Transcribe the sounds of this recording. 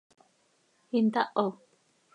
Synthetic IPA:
hint̪aʔo

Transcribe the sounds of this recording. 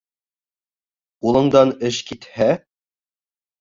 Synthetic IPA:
qulˠɤ̆ɴd̪ɑnɘʃkit̪hæ

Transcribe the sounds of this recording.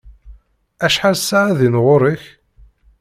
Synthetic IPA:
æʃħalsːaʕæðinʁʊɾiç

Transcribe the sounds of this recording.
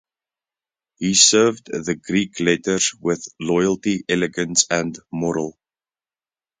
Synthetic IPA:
hisɜːvdðəɡɹiˑkʰlɛdəz̥wɪðlɔɪəlˠtiʔɛlɪɡə̃nsə̃nmɔɹə̰lˠ

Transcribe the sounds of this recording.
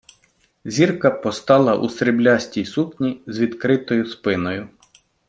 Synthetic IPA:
zʲirkɐpɔst̪ɑlˠɐʔṵsɾɪblʲɑsʲtʲijsupʲnʲizʋʲid̪kɾɪt̪ɔjʊspɪnɔjʊ

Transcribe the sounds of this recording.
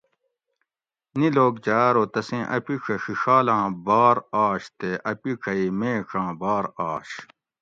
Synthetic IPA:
niloːkd͡ʑaːɾoːt̪ɐsẽːʔɐ̰piʈ͡ʂʰɐɕiʂaːlãːbaːɾaːɕt̪eʔɐpikʰɐimẽːʈ͡ʂʰãːbaːɾaːɕ

